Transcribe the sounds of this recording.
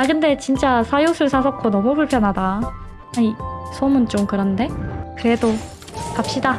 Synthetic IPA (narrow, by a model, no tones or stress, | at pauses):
akɯnde̞t͡ɕint͡ɕ͈asʰajosʰɯɭsʰasʰʌk͈ʰonʌmupuɭpʰjʌnɦadaː | ɲisʰomɯnt͡ɕ͈omkɯɾʌnde̞kɯɾe̞do | kap̚ɕ͈ida